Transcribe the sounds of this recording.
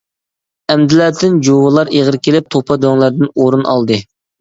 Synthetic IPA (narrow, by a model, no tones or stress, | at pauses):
ɛmd̪ɪlæt̪ʰɪnd͡ʒowɨlˠɑɾeʁəɾkʲelɪp̚t̪ʰopʰɑd̪øŋlˠæɾd̪ɪnoɾunɑ̰lˠd̪ɨ